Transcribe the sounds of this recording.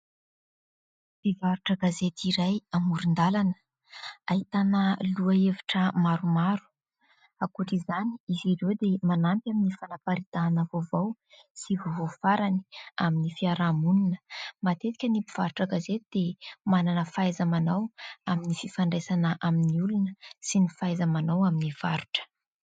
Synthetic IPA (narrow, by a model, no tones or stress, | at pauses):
bivaɾuʈ͡ʂəɡazet̪iɾajamuɾund̪alanə̥ | aɦit̪anəluaeviʈ͡ʂəmaɾumaɾu̥ | akuʈ͡ʂizaniiziɾewd̪emanampʲaminifanapaɾit̪aːnəvovowsivovofaɾani̥aminifiaɾamununə̥mat̪et̪ikʲənipiv̥aɾuʈ͡ʂaɡazet̪id̪̥emananəfajzamanawaminififaɳɖ͡ʐesanəʔaminiulunəsinifajzamanawaminiv̥aɾuʈ͡ʂə̥